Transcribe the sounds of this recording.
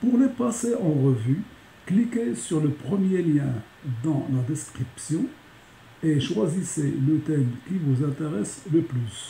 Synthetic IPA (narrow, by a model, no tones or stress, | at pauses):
puʁlepaseʔɑ̃ʁəvy | klikʲesyʁləpχəmjeljɛ̃ | d̪ɑ̃lad̪ɛskχipsjɔ̃ | eʃwaziselət̪ɛmkʲivuzɛ̃t̪eʁɛsləplys